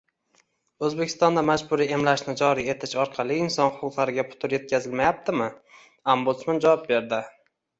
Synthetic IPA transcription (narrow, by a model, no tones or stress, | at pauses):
ɵzbekʲʰɪ̥st̪ɒnd̪amad͡ʒbʊɾie̞mlaʃnɪd͡ʒɒɾie̞t̪ʰɪʃɒɾqʰɑlˠɪːnsɒnhʊqʊqlˠaɾɪɡʲapʰʊ̥t̪ʰʊɾje̞t̪̚kʲazɪlmajap̚t̪ʰɪmɪ | ombʊt̪smand͡ʒavɒp̚be̞ɾd̪ɪ